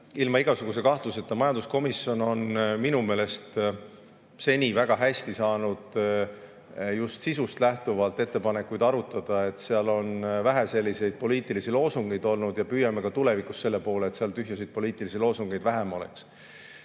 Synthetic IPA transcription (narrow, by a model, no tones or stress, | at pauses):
ilmɑiɡ̥ɑsuɡ̥usekɑht̪luse̞t̪ˑːɑmɑjɑnd̪usko̞misjo̞no̞nminume̞ːle̞st̪ | se̞nʲivæɡ̥ɑɦæsʲt̪isɑːnud̪̥ | just̪sisust̪læht̪uvɑlt̪ːˑe̞t̪ːe̞pɑne̞kːˑujd̪ɑɾut̪ːˑɑd̪̥ɑe̞t̪seɑlo̞nvæɦæse̞lʲːise̞jd̪̥̚po̞liːt̪ˑilisilo̞ːsuŋɡ̥ejd̪o̞lnud̪̥jɑpyːjɑmekɑt̪ule̞vikusːe̞lːe̞po̞ːle̞ːt̪seɑlt̪yɦjɑsijd̪̥̚po̞liːt̪ːˑilisiloːsuŋɡ̥ejd̪̥væɦemo̞lḛks